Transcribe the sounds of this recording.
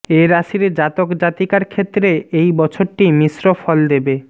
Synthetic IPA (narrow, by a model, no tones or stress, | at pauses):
eɾaʃiɾed͡ʑat̪okd͡ʑat̪ikaɾkʰet̪ːɾeejbɔt͡ɕʰoɾʈimisɾofɔld̪ebe